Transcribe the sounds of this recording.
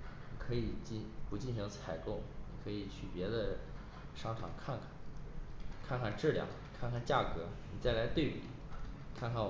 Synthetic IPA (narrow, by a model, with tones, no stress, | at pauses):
ni˨˩kʰɤ˧˥i˨˩t͡ɕi˥˩pu˧˥t͡ɕi˥˩nɕi˧˥ŋt͡sʰa˧˩ɪko˥˩ʊni˨˩kʰɤ˧˥i˨˩t͡ɕʰy̰˨˩pjɛ˧˥d̪ə˧ | ʂɑ˥ŋʈ͡ʂʰɑ̰˨˩ŋkʰa˥˩nkʰ | kʰa˥˧nkʰa˥˩nʈ͡ʂɻ̩˥˩ljɑ̰˥˩˦ŋ | kʰa˥˧nkʰa˥˧nt͡ɕja˥˩kɤ˧˥ni˨˩t͡sa˥˩ɪla˧˥ɪt̪we˥˩ɪpḭ˨˩˦kʰa˥˧nkʰa˥˩n